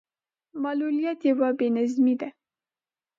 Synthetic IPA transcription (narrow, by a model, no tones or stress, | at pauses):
malulijat̪jawabenazmid̪a